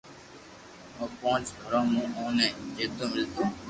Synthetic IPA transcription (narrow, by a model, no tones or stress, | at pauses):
mə̃ːpõːt͡ʃɡʱəɾãːmũːõːnɛ̃ːd͡ʒeːt̪õːmɪlt̪oː